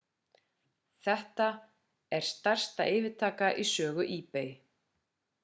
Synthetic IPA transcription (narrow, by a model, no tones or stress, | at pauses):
θɛht̪a | ɛɾ̥st̪ar̥st̪aʔɪːvɪt̪ʰaːkaʔisœːɣʏʔiːpej